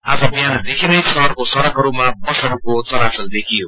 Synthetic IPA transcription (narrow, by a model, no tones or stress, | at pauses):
ad͡zʌbijanad̪ekʰinʌjsʌrkosʌɾʌkɦʌɾumapʌsʌɽkot͡sʌɾasʌld̪ekʰijo